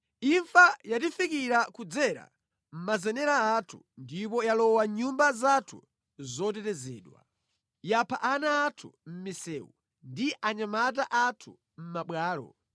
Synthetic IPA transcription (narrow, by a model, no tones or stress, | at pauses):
iɱfajatifikiɾakud͡zɛɾa̰ | m̩mazɛnɛɾaatʰu̥ | ndipɔjalɔwaɲumbazatʰu | zɔtɛtɛzɛ̰ːɗwa̰ | japʰaʔanaːtʰum̩misɛːṵ | ndiʔaɲamat̬aʔatʰu | m̩maɓwaːlɔ̰